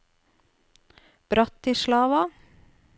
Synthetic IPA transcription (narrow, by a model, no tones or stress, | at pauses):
b̥ɾɑt̪iːʃlɑːʋɑ